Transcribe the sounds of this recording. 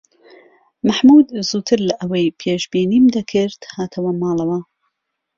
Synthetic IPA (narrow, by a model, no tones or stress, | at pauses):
maħmuːd̪zuːt̪ʰɨɾlɐʔɐwɐjpʰeːʒbiːniːmd̪ɐkʰɪɾt̪haːt̪ʰɐwɐmɑːlˠɐwɐ